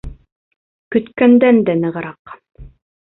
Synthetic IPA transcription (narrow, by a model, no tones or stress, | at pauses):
kɵ̆t̪kænd̪ænd̪ænɤ̆ʁɤ̆ɾɑq